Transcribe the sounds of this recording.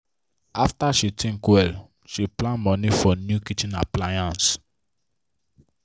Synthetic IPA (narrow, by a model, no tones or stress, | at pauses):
aftaʃitʰĩnkwɛl | ʃiplãnmɔ̃nifɔnjukit͡ʃĩna̰plajãns